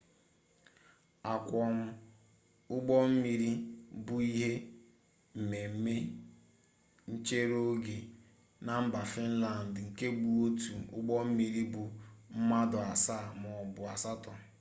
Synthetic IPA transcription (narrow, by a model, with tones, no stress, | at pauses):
a˨kʷɔ˨m̩˦ | ʊ˦ɡ͡bɔ˦m̩˦mi˨ɾi˦bʊ˨i˦ɦe˦ | m̩˨me˨m̩˦me˦ | n̩˦t͡ʃe˦ɾo˦ɡe˨ | na˨m̩˦ba˨fi˦n̩˦la˨n̩˨dŋ̩˨ke˦ɡ͡bu˨o˦tu˨ʊ̰˦ɡ͡bɔ˦m̩˦mi˨ɾi˦bʊ˨m̩˦ma˦dʊ˨a˨sa˦˨mɔ˨bʊ˨a˨sa˦tɔ˨